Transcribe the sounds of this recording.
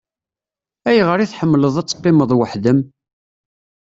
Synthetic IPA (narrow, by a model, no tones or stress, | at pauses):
æjʁəɾiθħəmːləðˤæt͡sːqːɪməðˤwəħðəm